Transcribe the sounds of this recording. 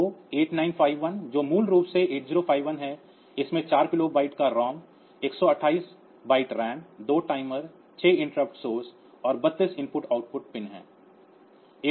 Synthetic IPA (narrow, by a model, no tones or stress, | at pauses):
oːeːʈnaːɪnpʰaːɪʋʋənd͡ʒoːmuːlɾuːpseeːʈ̚d͡ʒɪɾopʰaːɪʋənɦɛ | ɪsmẽt͡ʃaːɾkɪlobaːɪʈkaɾɔːm | eːksɔɐʈʰaːiːs | baːɪʈɾɛ̃ːɳɖd̪oːʈaːɪməɾ | t͡ʃʰeːɪ̃ɳʈɾəp̚ʈsoːs | ɔːɾbɐt̪ːɪsɪ̃mpʊʈaːʊʈ̚pʊʈ̚pɪnɦɛ̰̃ː